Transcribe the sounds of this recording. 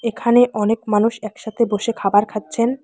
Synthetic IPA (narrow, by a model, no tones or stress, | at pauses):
ekʰaneʔɔnekmanuʃɛkʃat̪ʰeboʃekʰabaɾkʰat̪ːɕʰen